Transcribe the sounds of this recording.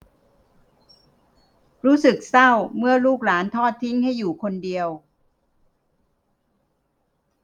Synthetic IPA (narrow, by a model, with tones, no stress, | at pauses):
ɾuː˦˥sɯ˨˩k̚sa˥˩wmɯ˥˩ɐluː˥˩k̚laː˩˦nt̪ʰɔː˥˩t̪ʰːi˦˥ŋha˥˩jːuː˨˩kʰo˧ndi˧əw